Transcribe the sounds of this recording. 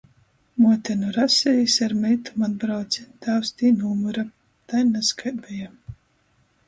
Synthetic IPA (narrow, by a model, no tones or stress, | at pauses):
muɔt̪ʲɛnuɾasʲɛjisaɾmɛjt̪umad̪̚bɾawt̪sit̪awst̪iːnumuɾa | t̪ajnaskajbɛja